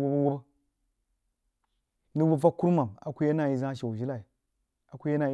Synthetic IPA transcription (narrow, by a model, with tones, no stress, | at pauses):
wo˦ba˦wo˦bə˦ | nɨ˦wu˦˨a˦kːu˦ɾma˨ma˨ku˦ja˦na˦˨i˨za˦˨ʃa˨wʒi˦la˨i˨ | a˨kʷu˦ja˦na˦˨i˨